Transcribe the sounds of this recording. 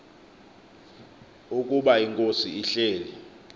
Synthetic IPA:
uk̬ʼuɓaiŋkʼosiiɬeːlɛ

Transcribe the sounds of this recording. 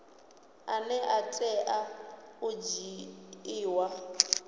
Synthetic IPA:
anɛʔatʼɛʔaʊd͡ʒiiːwa

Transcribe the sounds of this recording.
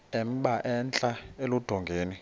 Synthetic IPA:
ɛm̩ɓaʔɛnt͡ɬʼaelud̥ʱɔŋɡʱeːni

